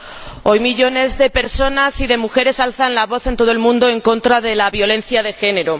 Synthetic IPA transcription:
o̞jmiʎo̞ne̞zðe̞pe̞ɾso̞nasiðe̞muxe̞ɾe̞salθanlaβo̞θe̞nt̪o̞ð̞o̞elmũnd̪o̞eŋko̞nt̪ɾaðelaβjo̞lẽ̞nθjað̞e̞xe̞ne̞ɾo

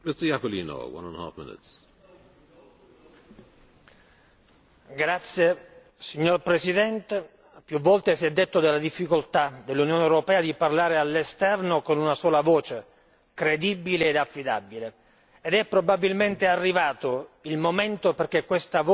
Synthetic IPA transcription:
mɪstə˞jakəlḭːno̰wã̰nə̰̃nha̰fmɪ̰nɪ̰ts | ɡɾat̪sːje | siɲːorpɾesid̪ɛnt̪e | pjuvːɔlt̪esiɛd̪ːet̪ːod̪elːad̪ifːikolt̪ad̪elːunjoːnewɾopɛːad̪iparlaːɾealːest̪ɛrnokonunasoːlavoːt͡ʃe | kɾed̪ibileːd̪afːid̪a̰bileː | d̪ɛpːɾobabilment̪earːivaːt̪oilmoment̪operk̟ekːwest̪av

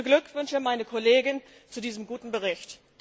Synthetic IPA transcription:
ɡlʏkv̥ʏnçəmaɪnəkʰɔleːɡɪn | t͡sudiːzəmɡuːtn̩bəʁ̞ɪçt | d̥

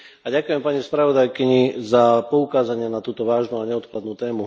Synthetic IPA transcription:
aɟakujɛmpaɲispɾaʋɔd̪ajkiɲizapɔukaːzaɲɪɛnat̪uːt̪ɔʋaːʒnuaɲɛɔt̪klad̪nuːt̪ɛːmu

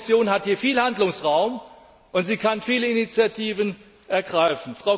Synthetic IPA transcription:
sjoːnɦathiːɐfiːlhandlʊŋsʁaʊm | ʔʊntz̥iːkʰanfiːləinit͡sjatʰiːvən | ʔɛɐɡʁaɪfn̩fʁ̥aʊ

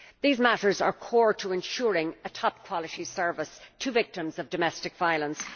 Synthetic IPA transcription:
ðizmæɾə˞zə̰˞kʰɔɹtʰəɪ̃nʃʊɹɪ̃ŋətʰɑp̚kʰw̥ɑlˠəɾisɜ˞vəstʰɨvɪk̚tɨ̃mzʌvdɨmɛstɨkv̥aɪəlˠə̃ns

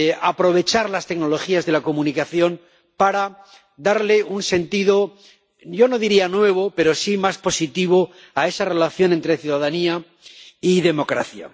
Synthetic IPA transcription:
apɾo̞β̞e̞t͡ʃaɾlast̪eɡno̞lo̞xiazðe̞lako̞mũnikaθjo̞n | paɾa | d̪aɾleunse̞nt̪iðo̞ | ɟ͡ʝo̞no̞ðiɾianwe̞β̞o̞pe̞ɾo̞simaspo̞sit̪iβ̞o̞ | ae̞sare̞laθjo̞ne̞nt̪ɾeθjuðaðania | iðe̞mo̞kɾa̰θja̰

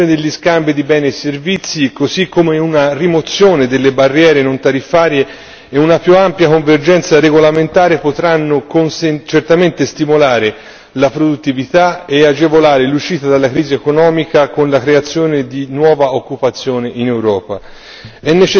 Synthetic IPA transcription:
oːned̪elʎːiskambid̪ibɛːnesːervit̪sːikosikːomeunarimot̪sːjoːned̪elːebarːjɛːɾenõnt̪aɾifːaːɾje | eunapjuampjakoɱverd͡ʒɛnt̪saɾeɡolament̪aːɾepot̪ɾanːokonst͡ʃert̪ament̪est̪imolaːɾe | lapɾod̪ut̪ːivit̪aead͡ʒevolaːɾeluʃiːt̪ad̪alːakɾiːziekonɔːmikakonlakɾeat̪sːjoːned̪inwɔːvaokːupat̪sːjoːneʔinewɾɔːpa̰ | ɛnːet͡ʃ

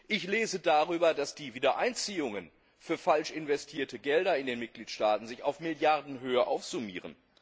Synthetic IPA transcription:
ʔɪçleːzədaʁyːbɐdasd̥iːviːdɐʔaɪnt͡siːʊŋən | fyːɐfalʃɪnvɛstʰiːɐtəɡɛldɐɪndeːnmɪt̚ɡ̥liːtʃtaːtn̩zɪçaʊfmɪljaʁdn̩ɦøːəʔaʊfz̥umḭːʁ̞ə̰n

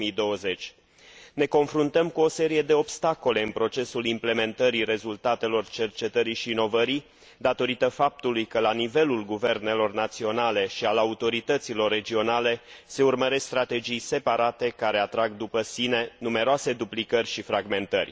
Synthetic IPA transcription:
id̪o̞əze̞t͡ʃʲ | ne̞ko̞nfɾunt̪əmkuo̞se̞ɾije̞d̪e̞o̞bst̪ako̞le̞ɨnpɾo̞t͡ʃe̞sulimple̞me̞nt̪əɾiɾe̞zult̪at̪e̞lo̞rt͡ʃe̞rt͡ʃe̞t̪əɾiʃiːno̞vəɾi | d̪at̪o̞ɾit̪əfap̚t̪ulujkəlanive̞lulɡuve̞rne̞lo̞rnat̪sio̞nale̞ʃialaut̪o̞ɾit̪ət̪silo̞rːe̞d͡ʒio̞nale̞se̞urməɾe̞skst̪ɾat̪e̞d͡ʒijse̞paɾat̪e̞kaɾe̞at̪ɾaɡ̚d̪upəsine̞nume̞ɾoase̞d̪uplikərʲʃifɾaɡme̞nt̪ə̰rʲ

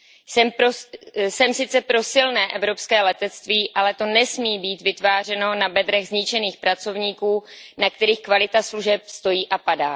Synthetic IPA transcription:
sɛmposɛmsɪt͡sɛpɾo̞sɪlnɛːʔɛvɾo̞pskɛːlɛt̪ɛt͡st̪viːʔalɛt̪o̞nɛsmiːbiːt̪vɪt̪vaːr̝ɛno̞nabɛd̪ɾɛɣzɲɪt͡ʃɛniːxpɾat͡so̞vɲiːkuːnakt̪ɛɾiːxkvalɪt̪asluʒɛp̚st̪o̞jiːʔapadaː

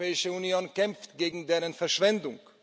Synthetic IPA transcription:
ɛːɪʃəunjoːnkɛmftɡ̥eːɡŋ̩deːʁənfɛɐʃv̥ɛndʊŋk

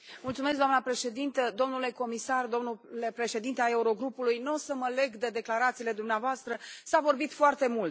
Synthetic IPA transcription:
mult̪sume̞s̬ɡd̪oanəpɾe̞ʃe̞d̪int̪əd̪o̞mnule̞ko̞misard̪o̞mnulepɾe̞ʃe̞d̪int̪eae̞uɾo̞ɡɾupulujnosəməle̞ɡd̪ed̪e̞klaɾat̪siːle̞d̪umneavoast̪ɾəsavo̞rbit̪foart̪e̞mult̪

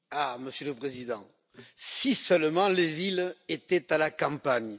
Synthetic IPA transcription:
aməsjələpχezid̪ɑ̃ | sisœlmɑ̃levilet̪ɛt̪alakɑ̃paɲ

